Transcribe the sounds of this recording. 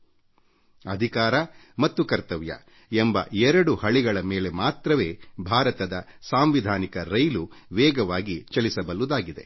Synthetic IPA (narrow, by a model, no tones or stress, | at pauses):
ɐd̪ʱikaːɾɐ | mɐt̪ːukɐɾt̪ɐʋjɐ̰ | embɐ̰ɛɾɐɽuhɐɭiɡɐɭɐmeːle̞maːt̪ɾɐʋe̞ːbʱaːɾɐt̪ɐd̪ɐsaːmʋid̪ʱaːnikɐɾɐjluʋɛːɡɐʋaːɡit͡ʃɐlisɐbɐlud̪aːɡid̪e̞̰